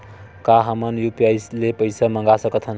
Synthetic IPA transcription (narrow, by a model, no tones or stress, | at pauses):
kaɦəmənjupiəjslepəjsaməŋɡasəkət̪ʰɦən